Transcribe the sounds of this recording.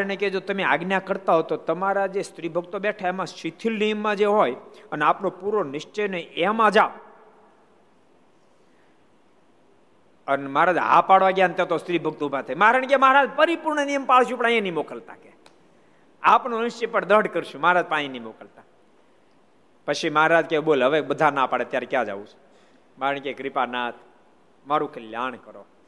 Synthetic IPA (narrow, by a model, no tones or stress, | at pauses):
neked͡ʒot̪əmea̰ɡnjakəɾt̪aɦot̪ot̪əmaɾad͡ʒest̪ɾibʱəɡ̚t̪obɛʈʰaemãʃit̪ʰilnijəmːãd͡ʒeɦojəneapnopuɾonɪʃt͡ʃəjneʔemãd͡ʒaʋ | ənemaɾad͡ʒɦa̰paɽʋaɡjant̪ãt̪ost̪ɾibʱəɡ̚t̪oubʱat̪ʰajməɦaɾənekeməɦaɾad͡ʒpəɾipuɾɳənijəmpaɭʃũpəɳ̃aj̃ẽnimokəlt̪a̰ke | apnonɪʃt͡ʃipəɳd̪əɖkəɾʃũmaɦaɾaːd͡ʒpəaj̃enimokəlt̪a | pəʃʰimaːɾad͡ʒkeɓolɦəʋekbəd̪ʱanapaɽet̪jaɾekjãd͡ʒa̰ʋũt͡ʃʰ | maɾəɳ̃kekɾɪpanat̪ʰ | maɾũkʰeljaɳ̃kəɾo